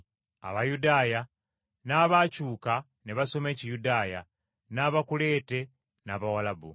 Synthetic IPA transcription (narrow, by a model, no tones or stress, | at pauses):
a̰βajudaːja | naːβacuːka | neβaso̞me̞ːcijudaːja̰ | naːβakule̞ːte̞ | naːβawalabṵ